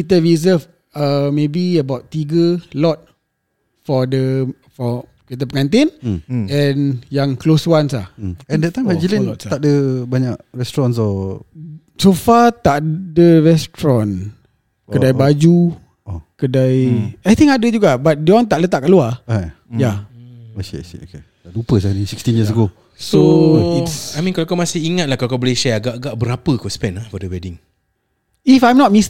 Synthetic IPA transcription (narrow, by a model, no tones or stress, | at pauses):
kit̪əɹizəf | əmebiəbawtt̪ːiɡəlɔt̪̚ | fɔdə | fɔ | kit̪əpəŋant̪enɛ̃njaŋkloswansaɛ̃ndət̪amad͡ʒəlinɔt̪aʔdəbaɲaʔɹɛstɾɔnsɔ | sofat̪aʔdəɹɛst̪ɾɔn | kədajbad͡ʒu | ɔkədajajt̪iŋadəd͡ʒuɡabat̪̚diɔŋt̪aʔlət̪aʔkalua | jaaʃḭʃḭo̰ke | daʔdupəsanisikst̪injiəs̬əɡo | soisajmĩnkalakawmasɪhiŋat̪̚lahkalakawbəleʃɛaɡaʔɡaʔbəɾapəkaspɛnlahfɔdəwɛdiŋ | ifajmnɔt̚mis